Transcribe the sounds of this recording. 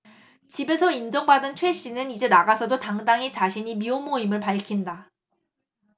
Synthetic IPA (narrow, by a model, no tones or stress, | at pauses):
t͡ɕibe̞sʰʌind͡ʑʌŋbadɯnt͡ɕʰwe̞ɕ͈ʰinɯnid͡ʑe̞naɡasʰʌdotaŋdaŋit͡ɕaɕʰiɲimiomoimɯɭpaɭkʰinda